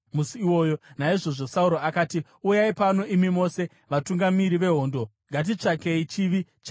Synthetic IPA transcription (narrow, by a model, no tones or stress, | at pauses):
musiːwo̞ːjonaiʐo̞ʐo̞sauɾoakaːti | ujaipano̞imimo̞ːse̞ | ʋatuŋɡamiɾiʋe̞ɦo̞ːndo̞ | ŋɡat̬it͡ʂakeit͡ʃiʋit͡ʃa